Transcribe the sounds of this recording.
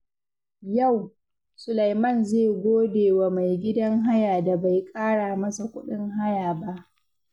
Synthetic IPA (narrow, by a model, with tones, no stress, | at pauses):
ja˦˨w | sʊ˨la˨jmɐ˦˨nzeː˦˨ɡʷoː˦deː˨wa˨ma˨jɡʲɪ˦dɐ˦ŋɦa˦jaː˨da˨ba˨jkʼaː˦ɽaː˨mɐ˦sa˨kʷʊ˦ɗɪ˦ŋɦa˦jaː˨ba˦ʔ